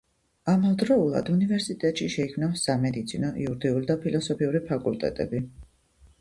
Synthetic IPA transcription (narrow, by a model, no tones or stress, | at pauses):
amalˠd̪ɾɔulˠa̰d̪univɛɾsit̪ʼɛt̪ʼʃiʃɛikʰmnasamɛd̪it̪sʰinɔʔḭuɾd̪iulid̪apʰilˠɔsɔpʰiuɾipʰakʼult̪ʼɛ̰t̪ʼɛ̰bi